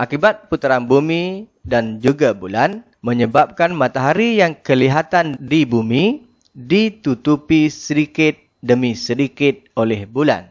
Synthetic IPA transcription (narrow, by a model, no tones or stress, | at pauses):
ʔakibat̪̚put̪ɾanbumĩ | dand͡ʒuɡabulan | mə̃ɲəbap̚kanmat̪aɦaɾijaŋkəliɦat̪andibumi | dit̪ut̪upisəɾikɪt̪̚ | dəmisəɾikɪt̪̚olɛhbula̰n